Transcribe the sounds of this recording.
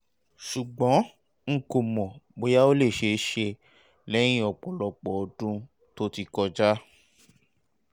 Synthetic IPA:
ʃu˨ɡ͡bɔ̃˨˦ | ŋ̩˨ko˨mɔ̃˨mo˧˦ja˦o˦le˦˨ʃe˧˦ʃe˧ | lɛ˦j̃ĩ˦ɔ˨k͡pɔ˨lɔ˧k͡pɔ˨ɔ˧dũ˧ | to˦ti˧kɔ˧d͡ʒa˦

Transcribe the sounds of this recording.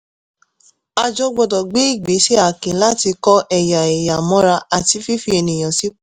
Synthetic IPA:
a˧d͡ʒɔ˧ɡ͡bɔ˧dɔ˨ɡ͡be˦i˦˨ɡ͡be˨˦ʃe˦a˨kẽ˨˦la˦ti˧kɔ˦ʔɛ˦˨ja˨ɛ˨ja˨mɔ̃˨˦ɾa˧a˨ti˧˦fi˦fi˦e˧nĩ˨j̃ã˨si˦

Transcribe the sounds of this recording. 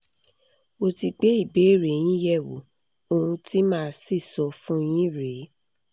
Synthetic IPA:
o˧ti˧ɡ͡be˨˦i˦˨be˨˦ɾe˨j̃ĩ˦jɛ˦˨wo̰˨ | o˧ũ˧ti˦mãː˦˧˦si˦˨sɔ˨˦fũ˦j̃ĩ˦ɾe˨˦

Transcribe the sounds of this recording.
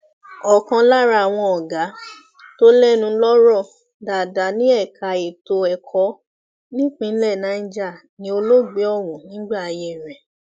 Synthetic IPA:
ɔ˨kã˧la˦ɾa˧a˨w̃ɔ̃˧ɔ˨ɡa˨˦ | to˦lɛ˦˨nũ˧˦lɔ˦ɾɔ˦˨ | da˨da˨nĩ˨˦ɛ˦˨ka˨e˨to˧ɛ˨kʰɔ˨˦ | nĩ˦k͡pĩ˧˦lɛ˦˨nã˨˦d͡ʒa˦˨ | nĩ˧˦o˧lo˦ɡ͡be˨˦ɔ˦˨wɔ̃˨nĩ˨˦ɡ͡ba˦˨a˧je˦˨ɾɛ̃˨

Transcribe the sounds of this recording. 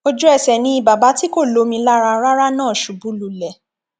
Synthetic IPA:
o˧d͡ʒu˦ɛ˦˨sɛ˨nĩ˧i˧ba˨ba˨˦ti˦ko˦˨lo˨˧˦mĩ˧la˦ɾa˧ɾa˦ɾa˦nãː˦˨ʃu˨bu˨˦lu˨lɛ˨

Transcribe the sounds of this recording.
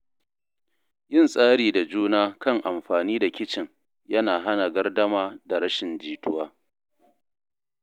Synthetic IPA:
jɪ˦˨nsʼaː˦ɽiː˨da˨d͡ʒuː˦naː˦kɐ˦˨ŋʔa˨mɸaː˨niː˦da˨kʲɪ˦t͡ʃɪ˨ŋ | jɐ˦naː˨ɦa˦na˨ɡɐ˦rdɐ˦maː˦da˨ɽɐ˦ʃɪ˨nd͡ʒiː˨tʊ˦waː˦

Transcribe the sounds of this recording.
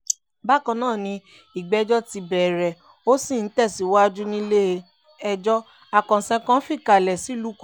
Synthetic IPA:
ba˦˨kã˧nãː˦˨nĩ˧ | i˨ɡ͡bɛ˦d͡ʒɔ˦ti˧bɛ˨ɾɛ˨ | o˦si˦˨n̩˨˦tɛ˦˨si˨˦˨wa˦a˦˧d͡ʒu˦nĩ˧˦le˦˧ | ɛ˧d͡ʒɔ˦ | a˨kã˨sɛ̃˧kã˧˦fi˦˨ka˨lɛ˨si˨˦˨lu˦k

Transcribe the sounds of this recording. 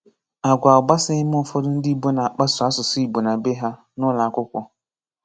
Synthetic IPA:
a˨ɡʷa˨ʊ˨ɡ͡ba˦sɪ˦ɪ˦m˦ɔ˨fɔ˦dʊ˦n̩˦dɪ˦bo˦na˨a˨k͡pa˦sʊ˨a˦sʊ˨si˦i˨bo˨na˨be˦ɦa˦ | nʊ˦la˨kʷʊ˦kʷɔ˦

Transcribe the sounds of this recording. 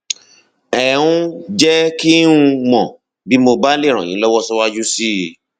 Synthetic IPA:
ɛ˨ũ˦d͡ʒɛ˦ki˦ũ˦˧mɔ̃˨ | bi˨˦mo˧ba˦le˦˨ɾ̃ã̰˨jḭ̃˨˦lɔ˦wɔ˦sɔ˦wa˦d͡ʒu˦si˦˨

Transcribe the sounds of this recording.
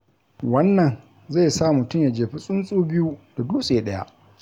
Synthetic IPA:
wɐ˦nːɐ˨n | za˦˨jsaː˦˨mʊ˨tʊ˦˨mja˨d͡ʒeː˨ɸi˦sʼʊ˦nsʼuː˦bɪ˦ju˦d̥a˨duː˦sʼeː˨ɗɐ˦ja̰˦ʔ

